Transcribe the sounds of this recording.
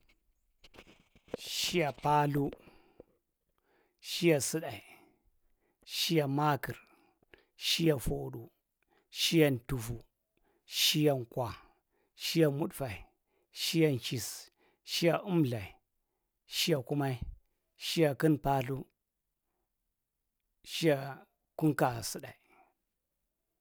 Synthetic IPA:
ʃi˦ja˨pa˦lu˦ | ʃi˦ja˨sɨ˦ɗa˨i˨ | ʃi˦ja˨ma˦ki˨ɾ | ʃi˦ja˨fo˨ɗu˨ | ʃi˦ja˨ntu˨fu˨ | ʃi˦ja˨nkwa˨ | ʃi˦ja˨mu˦ɗfa˨i˨ | ʃi˦ja˦nt͡ʃi˨s | ʃi˦ja˨ʔu˦mɮa˨i˨ | ʃi˦ja˨ku˦ma˦i˦ | ʃi˦ja˨ki˦npa˦ɬu˦ | ʃi˦ja˨ | ku˦ŋka˨sɨ˦ɗa˨i˨

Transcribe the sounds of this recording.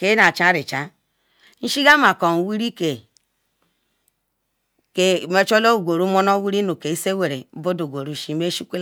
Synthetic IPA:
ke˨˦na˨t͡ʃa˦ɾi˨t͡ʃa˨ | n̩˦ʃi˦ɡa˦ma˨ko˨n˨wi˦ɾi˦ke˨ | ke˨me˦t͡ʃo˦lo˦u˨ɡʷo˨ɾu˨˦mo˦no˦wi˦ɾi˦nu˨ke˨i˦se˦we˨ɾe˨˦bo˦do˨ɡʷo˨ɾu˨ʃi˦me˦ʃu˦kʷe˦l

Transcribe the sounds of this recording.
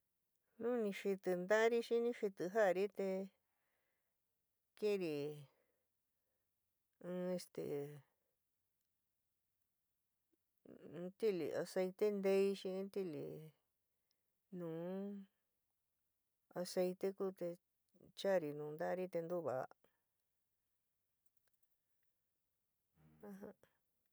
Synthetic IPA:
nũ˦˧nĩ˧ʂi˧t̪ɨ˧nd̪a˦ɾi˦ʃĩ˧˦nĩ˦ʂi˧t̪ɨ˧ɦa˦˨˧ɾi˦t̪e˧ | kĩ˦˧ɾi˨ | ɨ̃˧e˧st̪ḛ˨˧˦ | t̪i˦lḭ˨a̰˧se˧it̪e˦nd̪e˧i˧ʃĩ˧˦t̪i˦lḭ˨ | nũː˨ | a˧se˧jt̪e˦ku˦t̪e˧ | t͡ʃa˦˨ɾi˨nũ˨˧nd̪a˦ɾi˦t̪e˧nd̪u˦βa˨a˧ | ã˧ɦã˧

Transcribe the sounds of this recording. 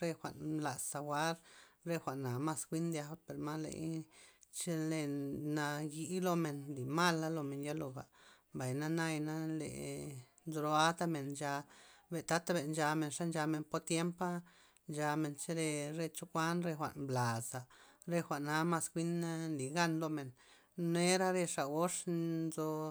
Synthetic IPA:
ɾe˧xʷa̰˨ʔnla˨sːa˧wʷa˦ɾɾe˦xʷa˨ʔna˨ma˧skʷi˦nd̪ja˧ba˦pe˨ɾma˦lḛ˨j | t͡ʃe˦le˧na˧ji˧˦lo˧me˨nli˨ma˦la˦lo˧me˨nja˦lo˧ba̰˨mba˨jna˦na˦jna˦lḛ˨ | d̪ɾo˧a˦t̪a˦me˨nd͡ʒa˧be˨t̪a˦t̪a˦be˨nd͡ʒa˧me˧nʂa˦nd͡ʒa˧me˧npo˧˦t̪je˦mpa˦ | nd͡ʒa˧me˧˨nt͡ʃe˦ɾe˧ɾe˧t͡ʃo˦kʷa˦nɾe˧xʷa̰˨ʔnbla˨sa˨ɾe˧xʷa˨ʔna˧ma˧skʷi˦na˦nli˨ɡa˦˧nlo˧me˨n | ne˦ɾa˦ɾe˧ʂa˨o˦ʂzo˧

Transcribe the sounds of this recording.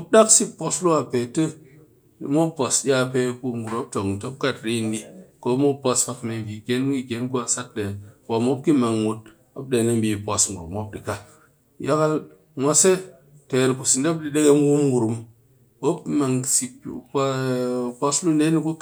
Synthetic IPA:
o˦p̚da˦ksi˦pːo˦slu˦wa˨pe˨tə˦ | i˨mo˦pːo˨sɗa˦pe˦ku˦ŋɡu˨ɾo˦p̚to˨ŋ˨to˦p̚ka˦˨tɾi˦˨ni˦ko˦mo˦po˦sfa˨kme˨ɡi˨ɡe˦nɡi˦ɡe˨˦nku˦a˨sa˦t̚de˨kwa˨mo˦p̚ki˦ma˨ŋwu˨t̚ | a˦b̚de˨na˦mbi˨po˨sŋɡu˨ɾṵ˨mo˦b̚di˨ka˦ | ja˦ka˦l | mʷa˦se˦ | te˨nku˨si˨nda˦b̚di˨ɗe˦ɡe˦m˦ɡu˦mɡu˨ɾu˨m | wo˦pma˨ŋsi˨˦po˦slu˦nde˦ni˦ku˦

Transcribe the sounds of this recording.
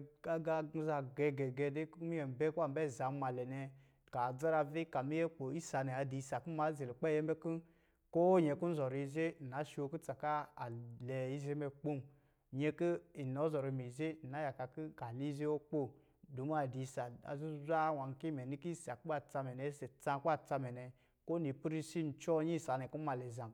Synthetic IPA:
ka˦ɡa˧ɡ̩˧˦za˧ɡɛ˧ɡɛ˨ɡɛ˧de˦kmi˦ɛ˨m˨bɛ˦ku˦a˦m˨bɛ˦˨za˨˦ma˨lɛ˨nɛ˧ | ka˨d͡za˦ɾa˧vi˦ka˨mi˦jɛ˦k͡po˨i˦sa˨nɛ˨a˨di˨˧sa˨ku˦ma˨˦ze˨lu˨k͡pɛ˦˨jɛ˦m˦bɛ˦ki˦ | ko˦ɲɛ˨˧˨ku˦n̩˦zɔ˨ɾi˧˨ze˦˨na˨˦ʃi˦o˧ku˦t͡sa˨ka˦a˨lɛ˨i˧˦ze˦mɛ˧k͡po˦˨m˨ | ɲe˧ki˦i˨nɔ˨˦zɔ˨ɾi˧mi˨ze˦˨n˨a˨˦ja˨ka˧ki˦ka˨li˦ze˦wo˦k͡po˦˨ | du˨˦m˦a˨di˨˧˨sa˨a̰˨zu˦za˦wa˨ŋ˨ki˦mɛ˨ni˦ki˦˨sa˨ku˦ba˦˨t͡sa˧mɛ˨nɛ˨˦sɛ˨t͡sã˧˦k͡pa˦˨t͡sa˧mɛ˨nɛ˨ | ko˦ni˨pu˦ɾi˦si˦n̩˨t͡ʃɔ˦ɲi˦˨sa˨nɛ˨ku˦ma˨˧˨lɛ˨za˨

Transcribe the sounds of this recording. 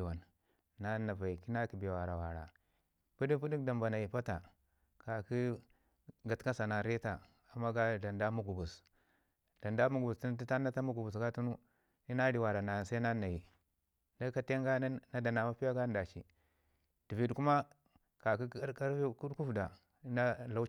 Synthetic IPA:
wa˨n | na˦na˨va˨i˨ki˦na˦ki˨be˨wa˨ɾa˨wa˨ɾa̰˨ | pu˦di˦pu˦di˦kda˨mba˨na˨ji˨pa˦ta˨ | ka˨ki˦ | ɡa˨tka˦sa˨na˨ɾe˦ta˨ | a˨mːa˦ɡa˦da˨nda˦mu˦ɡu˨bu˨s | da˨nda˦mu˦ɡu˨bu˨sti˦n˦i˦ta˦na˦ta˦mu˦ɡu˨bu˨s̬ɡa˦tu˦nu˦ | i˦na˦ɾi˨wa˨ɾa˨na˨sa˦na˦na˨ji˨ | na˦ka˦te˦ŋɡa˦n˦na˦da˨na˨ma˦pi˦ja˦ɡa˦n˦da˨t͡ʃḭ˨ | d̥i˨vi˨dku˦ma˦ | ka˨ki˦ka˦ɾku˦dku˦fda˨˦ | na˦la˦

